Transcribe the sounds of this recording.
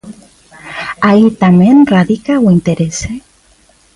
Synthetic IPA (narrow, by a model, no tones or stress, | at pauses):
ait̪amẽnraðikawint̪eɾese